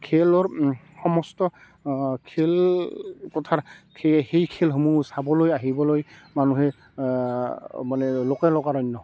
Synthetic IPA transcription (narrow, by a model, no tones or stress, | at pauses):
kʰelɔɹ | xɔmɔstɔ | kʰel | kɔtʰakʰexejkʰelɦomusabɔlojaɦibɔlojmanuɦɛ | manɛlokɛlɔkaɹɔjnːɔ